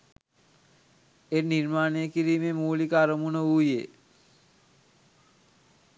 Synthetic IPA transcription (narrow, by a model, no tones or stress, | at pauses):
eniɾmaːnejəkiɾiːmemuːlikəaɾəmunəuːjḛ